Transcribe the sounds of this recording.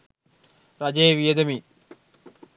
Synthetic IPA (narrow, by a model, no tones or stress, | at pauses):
ɾɐd͡ʒeːʋijed̪emiː